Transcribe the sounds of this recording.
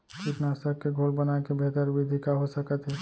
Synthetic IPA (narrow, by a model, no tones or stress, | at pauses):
kiʈnasəɾkːeɡʱolbənakebʱet̪əɾʋid̪ʱikaɦosəkət̪ɦɛ